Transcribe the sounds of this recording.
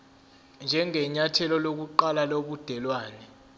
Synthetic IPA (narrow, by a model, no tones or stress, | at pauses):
nd͡ʒʱɛŋɛɲatʰɛlɔlok̬uǃalaloɓud̥ʱɛlwaːnɛ